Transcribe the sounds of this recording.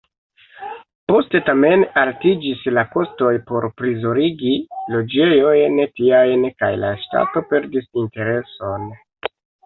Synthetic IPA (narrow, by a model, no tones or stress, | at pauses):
po̞ste̞tame̞naltid͡ʒislako̞sto̞jpo̞ɾpɾizo̞ɾiɡilo̞d͡ʒe̞jo̞jntiajnkajla̰ʃta̰to̞pe̞ɾdisinte̞ɾe̞so̞n